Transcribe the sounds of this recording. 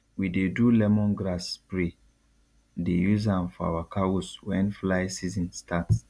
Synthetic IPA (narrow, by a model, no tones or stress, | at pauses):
widedulɛmɔ̃nɡɾaspɹe | dejuzãmfɔa̰wakʰawuswɛ̃nflaɪsizĩnstʰats